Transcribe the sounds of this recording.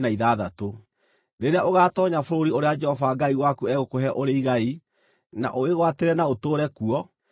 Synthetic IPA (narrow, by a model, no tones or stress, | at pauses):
naiðaðato | ɾeɾeaʔoɣaːtɔɲafoɾoɾioɾead͡ʒɛhɔvaɡaiwakuɛɣokoɦɛʔoɾeiɣai | na̰ʔoeɣwateɾɛnaotoːɾɛkuɔ